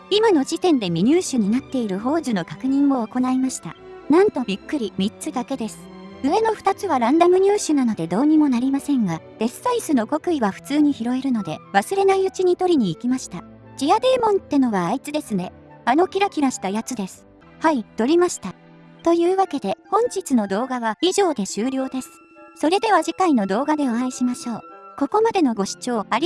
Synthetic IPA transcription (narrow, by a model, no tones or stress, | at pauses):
imano̞d͡ʑit̪ẽ̞nd̪e̞mʲiɲ̟ɨːɕɨɲ̟inat̪ːe̞iɾɯ̟ɦo̞ːʑɨno̞kakɯ̟ɲ̟ĩɰːo̞ːko̞naimaɕi̥t̪a̰nãnt̪o̞bʲikːɯ̟ɾʲimʲit͡sɨd̪ake̞d̪e̞sɨ̥ | ɯ̟e̞no̞ɸɯ̟̥t̪at͡sɨβaɾãnd̪amɯ̟ɲ̟ʲɨːɕɨnano̞d̪e̞d̪o̞ːɲ̟imo̞naɾʲimasẽ̞ŋɡad̪̥e̞sɨ̥saisɨno̞ko̞kɯ̟iβaɸɯ̟̥t͡sɨːɲ̟içiɾo̞eɾɯ̟no̞d̪e̞βasɨɾe̞naiɯ̟t͡ɕiɲ̟it̪o̞ɾʲiɲ̟iːkʲimaɕi̥t̪a | d͡ʑiad̪eːmõ̞nt̪ːe̞no̞βaːit͡sɨd̪e̞sɨne̞ | ano̞kʲiɾakʲiɾaɕi̥t̪ajat͡sɨd̪e̞sɨ̥ | hait̪o̞ɾʲimaɕi̥t̪a | t̪o̞jɯ̟ːβake̞d̪e̞hõ̞ɲ̟d͡ʑit͡sɨno̞d̪o̞ːɡaβaiʑo̞ːd̪e̞ɕɨːɾʲo̞ːd̪e̞sɨ̥ | so̞ɾe̞d̪e̞β̞aʑikaino̞d̪o̞ːɡad̪e̞oãiɕimaɕo̞ːko̞ko̞mad̪e̞no̞ɡo̞ɕi̥t͡ɕo̞ːaɾʲi